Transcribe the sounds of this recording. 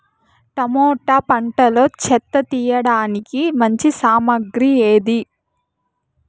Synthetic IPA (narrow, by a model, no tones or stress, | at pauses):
ʈ̪ɐmoːʈɐpɐɳʈɐlo̞ːt͡ʃɛt̪ːɐt̪iːjɐɽaːnikimɐɲt͡ʃisaːmɐɡɾieːd̪i